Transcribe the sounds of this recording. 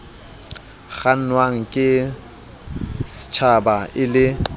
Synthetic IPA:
ɣan̩nwaŋ̩kʼɪ | sɪ̥t͡ʃʰabaʔɪlɪ

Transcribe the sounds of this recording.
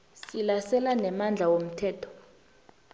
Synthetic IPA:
ssilasɛlanɛmand͡ɮʱawom̩tʰɛːtʰɔ̥

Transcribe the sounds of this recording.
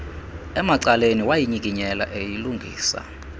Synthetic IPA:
ɛmaǀaleniwajiɲikiɲɛla̰ʔejiluŋɡʱḭːsa̰

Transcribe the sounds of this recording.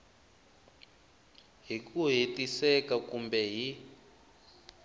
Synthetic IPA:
ɦikuɦetisɛkakumbɛɦi

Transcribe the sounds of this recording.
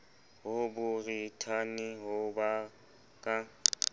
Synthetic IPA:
ɦʊbʊritʰanɪɦʊba | kʼa

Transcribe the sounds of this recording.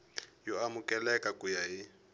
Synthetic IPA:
jɔamʊkʼɛlɛkʼakujaɦi

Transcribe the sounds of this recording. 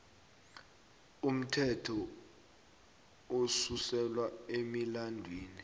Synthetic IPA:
um̩tʰɛtʰɔ | osusɛlwaemilandʱwiːni

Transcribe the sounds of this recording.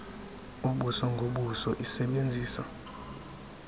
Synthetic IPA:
uɓusɔŋɡʱoɓusɔʔisɛɓend͡zʱiːsa̰

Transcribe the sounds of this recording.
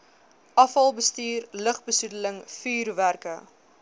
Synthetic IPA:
ʔɐfɐlˠbəstiːrləχbəsudələŋfiːrværkə

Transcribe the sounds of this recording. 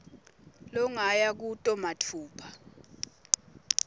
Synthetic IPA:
lɔŋajak̬utʼɔmatʰuːpʰḁ

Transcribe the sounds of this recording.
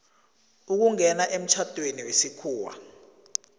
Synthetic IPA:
uk̬uŋɛnaʔem̩t͡ʃʰatʼweniwesikʰuːwa̰

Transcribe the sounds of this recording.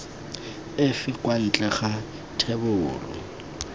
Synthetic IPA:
ɪfɪkwan̩t͡ɬʼɛχa | tʰebʊːrɔ̰

